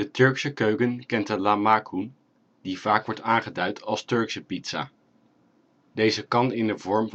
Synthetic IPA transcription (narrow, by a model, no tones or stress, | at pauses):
dətɵɹksəkøɥkənkɛntəlamaːkʰun | div̥aːkʋɔɹtaːŋχədœɥtʰɑlˠstɵɹksəpitsa̰ː | dejzəkɑnɪnənvɔɹm